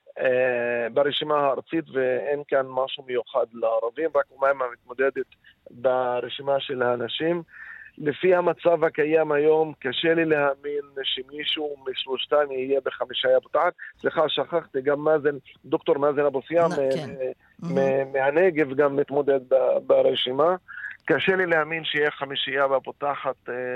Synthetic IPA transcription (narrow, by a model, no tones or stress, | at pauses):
baɾeʃimahaɑɾˤt͡sit̪veʔenkanmaʕʃumjuxad̪laɑɾˤɑvimɾˤakumajmamɪt̪mod̪ed̪et̪ | baɾeʃimaʃelhanaʃiːmlefihamat͡savhakajamhajoːmkaʃelilehaʔminʃemiːʃumiʃloʃt̪amihijebeχamiʃajabot̪aħat̪sliχaʃaχaχt̪iɡamːazend̪okt̪oɾmazenabosjamee | memeaneɡevɡamːit̪mod̪ed̪̚babaɾeʃimakaʃelilehaminʃehijexamiʃijabapot̪aħat̪